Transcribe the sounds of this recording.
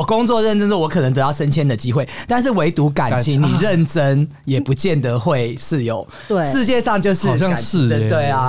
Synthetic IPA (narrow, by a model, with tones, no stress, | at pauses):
wɔ˨˩kʊ˦ŋt͡swɔ˥˨ɻə˥˩nʈ͡ʂə˦ŋsɔ˥wɔ˧˥kʰɤ˨˩nə˧˦ŋt̪ɤ˧˦t̪ɑ˥˨ʊʂə˦nt͡ɕʰjɛ˥nd̪ə˨t͡ɕi˦xwe˥˩ɪt̪a˥˧nʂ̬ɻ̩˥˩we˧˥ɪt̪u˨˦ka˨˩nt͡ɕʰi˧˦ŋni˨˩ɻə˥˨nʈ͡ʂə˦ŋ | jɛ˨˩pu˨˦t͡ɕjɛ˥˩nd̪ə˨˦xwe˥˨˩ɪʂ̩˥˩jo˨˦ʊ | ʂɻ̩˥˧t͡ɕjɛ˥˧ʂɑ˥˧ŋt͡ɕjo˥˧ʊʂɻ̩˥˨ɕɑ˥˧ŋ̩˧ə˧t̪we˥˩ɪa˨˩